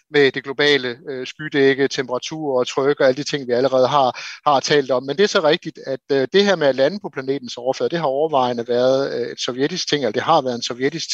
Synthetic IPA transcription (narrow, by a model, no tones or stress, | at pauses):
med̥e̝ɡ̥lo̝b̥ɛ̰ːləøsɡ̥yd̥eɡ̥ət͡sʰempʰəʁɑ̈t͡sʰṵːɐ̰ɒt͡sʰʁœɡ̥əɒ̽æləd̥it͡sʰe̝ŋ̰ʋiæləʁɛːð̞̩ˠɦɑ̈hɑ̈t͡sʰɛ̰ːld̥ɒ̽mːend̥e̝æɐsɒ̽ʁɛɡ̥̚d̥id̥æd̥d̥e̝hæɐmeælænəpʰɒ̽pʰlæne̝̰ːd̥n̩sɒʊɐfø̰ːɐ̰d̥e̝ɦɑ̈ɒʊɐʋɑ̈ɪnəʋæːɐð̞̩ˠed̥sɒʊjed̥isɡ̥̚t͡sʰe̝ŋelɐd̥e̝ɦɑ̈ʋæːɐð̞̩ˠensɒʊjed̥isɡ̥t͡sʰ